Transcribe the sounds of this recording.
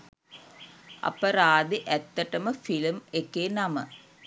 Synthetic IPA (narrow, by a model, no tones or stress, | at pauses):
ʔɐ̰pɐɾaːd̪iʔæt̪ːəʈɐməfilmekeːnɐmə